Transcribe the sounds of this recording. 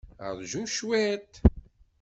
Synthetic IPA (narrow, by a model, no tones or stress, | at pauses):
ə̰ðˤʒuʃwæt̪